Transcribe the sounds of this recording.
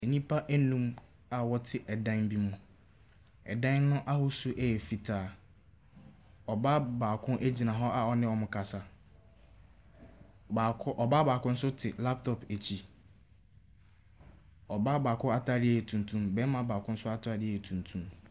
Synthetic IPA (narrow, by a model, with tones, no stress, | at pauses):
ɛ˨ɲĩ˦pʰa˦ʔæ˦nũ˦m | a˨wɔ˦tʰɪ˨ʔɛ˨dã˦n˦bi˦mũ˦ | ɛ̰˨dã˦n˦nʊ̃˦ʔa˦hʊ˦su˦ʔɛ˦jɛ˨fi˨tʰaː˨ | ɔ˨ba˦baː˨kʰʊ̃˦ʔæ˦d͡ʑi˨nã˨ɦɔ˦ʔa˨ɔ˨nɪ̃˦wɔ̃˨mʊ̃˨kʰa˨sa˨ | ba˨kʊ˦ʔɔ˨ba˦baː˨kʊ̃˦n̩˦sʊ˦tʰɪ˨la˦p̚tʰɔ˨pe˨t͡ɕʰi˦ | ɔ˨ba˦baː˨kʰʊ̃˦a˦tʰa˦dɪ˦ɛ˦˨ɛ˨tʰũ˨ntʰũ˦mbɛ˦mã˨baː˨kʰʊ̃˦n̩˦sʊ˦a˦tʰa˦dɪ˦˨ɛ˨tʰũ˨ntʰũ˦m